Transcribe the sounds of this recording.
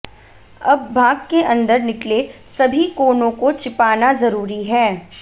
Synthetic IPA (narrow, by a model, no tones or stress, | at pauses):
ɐbːaːɡkeʔɐ̃nd̪əɾnɪklesɐbʱikoːnõkot͡ʃɪpaːnazɐɾuːɾiɦɛː